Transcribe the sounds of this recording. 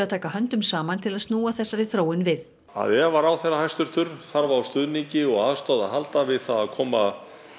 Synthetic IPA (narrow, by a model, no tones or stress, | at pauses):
aðt̪ʰaːkaɦœnt̪ʏmsaːmant̪ʰɪlaðst̪nuːaθɛsːaɾɪθɾoːwɪnvɪð | a̰ðɛvaɾawθɛɾahajst̪ʏɾ̥t̪ʰʏɾθaɾvaawst̪ʏðniɲcɪɔɣaːðst̪awðaɦalt̪avɪðθaðaðkʰɔːma